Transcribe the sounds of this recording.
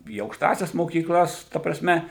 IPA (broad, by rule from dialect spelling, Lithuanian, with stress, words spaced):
iː ɐʊkʃˈtɑːsʲɛs moːkʲiːkˈlˠɐs ˈtɐ prɐˈsʲmʲɛ